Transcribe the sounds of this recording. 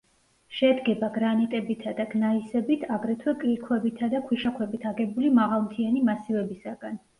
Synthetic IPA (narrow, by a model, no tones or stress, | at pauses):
ʃɛd̪ɡɛbaɡɾanɛt̪ʼɛbit̪ʰad̪aɡnaisɛbit̪ʰaɡɾɛt̪ʰwɛkʼlikʰwɛbit̪ʰad̪akʰwiʃakʰwɛbit̪ʰaɡɛbulimaʁalˠmt̪ʰianimasivɛbisaɡan